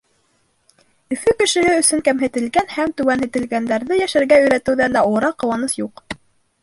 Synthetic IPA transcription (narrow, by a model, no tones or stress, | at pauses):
ɵ̆fɵkɘ̆ʃɘ̆ɦɘɵ̆sɵŋkæmɦɘ̆t̪ɘ̆lɡænhæmt̪ʉwænhɘ̆t̪ɘ̆lɡænd̪æɾðɘjæʃæɾɡæɵ̆jɾæt̪ɘ̆wðænd̪æŭɾɑqːɤ̆wɑnɤsjuq